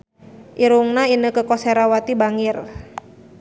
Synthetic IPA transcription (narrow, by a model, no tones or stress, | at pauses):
ʔiɾuŋnainəkəkɔseɾawat̪ibaŋɪr